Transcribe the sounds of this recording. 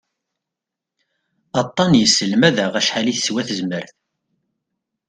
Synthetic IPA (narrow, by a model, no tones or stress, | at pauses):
ɑt̪ˤːɑnjəsːəlmæðæʁæʃħaliθswæθəzməɾθ